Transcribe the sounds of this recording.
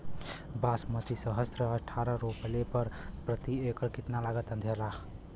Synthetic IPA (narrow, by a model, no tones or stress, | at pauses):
basmət̪isəɦəsɾəəʈʰːaɾəɾopəlepəɾpɾət̪iekəɽkit̪nalaɡət̪ənd̪ʱela